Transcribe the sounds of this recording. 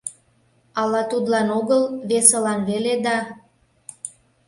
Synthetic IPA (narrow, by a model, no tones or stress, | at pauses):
ɑlɑt̪ud̪lɑnoɣəlβesəlɑnβeled̪ɑ